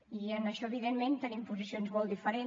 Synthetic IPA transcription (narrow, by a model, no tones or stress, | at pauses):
iənəʃɔəβiðemment̪ənimpuzisionzmɔlˠd̪ifəɾe